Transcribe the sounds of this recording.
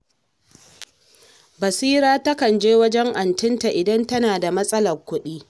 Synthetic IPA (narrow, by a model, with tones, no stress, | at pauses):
bɐ˨siː˦ɾaː˦tɐ˦kɐ˨nd͡ʒeː˦wɐ˦d͡ʒɛ˦ŋʔa˨ntɪ˦nta˨ʔɪ˨dɐ˦ntɐ˦naː˨da˨mɐ˦sʼɐ˦lɐ˨rkʷʊ˦ɗiː˦